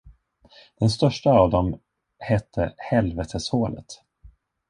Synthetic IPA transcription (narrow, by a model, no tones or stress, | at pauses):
d̪̥ɛnst̪œʂʈaːvd̪ɔm | hɛt̪ʰːəhɛlvɛt̪ʰəshoːlə̰t̪